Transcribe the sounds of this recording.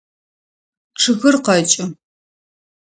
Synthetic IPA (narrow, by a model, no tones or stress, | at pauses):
ʈ͡ʂʰɨɣɨrqɐt͡ʃʼɪ